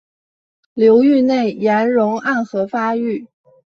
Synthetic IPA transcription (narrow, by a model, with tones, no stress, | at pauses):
ljo˧˥ʊy˥˧ne˥˩ɪja˧˥nɻʊ˧˥ŋa˥˩nxɤ˧˥fa˥y˥˩